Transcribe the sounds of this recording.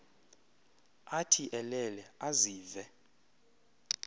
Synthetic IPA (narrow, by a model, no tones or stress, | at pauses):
atʰiʔɛlɛlɛaziːvɛ